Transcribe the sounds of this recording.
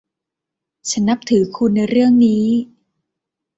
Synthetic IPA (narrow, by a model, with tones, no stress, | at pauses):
t͡ɕʰa˦˥nːa˦˥p̚t̪ʰɯː˩˦kʰu˧nːa˧jɾɯ˥˩əŋniː˦˥